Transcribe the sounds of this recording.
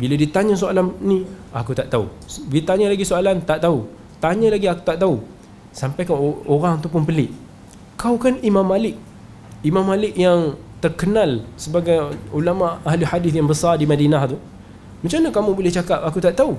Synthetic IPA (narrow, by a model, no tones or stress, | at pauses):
biladiət̪aɲə̃s̬oalannĩakut̪aʔt̪aṵ | bilt̪aɲəlaɡisoalant̪aʔt̪au | t̪aɲəlaɡiaku̥t̪aʔt̪au | sampajkanoɾaŋt̪upʊnpəlɪʔ | kawkanimamːalɪk̚ | imãmːalɪkjaŋt̪ərkənalsəbaɡajulamaʔahliħadiθjaŋbəsardimadinaht̪u | mə̃ɲt͡ʃamnəkamubolɛht͡ʃakap̚akut̪aʔt̪au